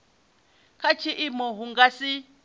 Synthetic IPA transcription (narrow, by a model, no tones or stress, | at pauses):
kʰat͡ʃʰiʔimɔɦuŋɡasi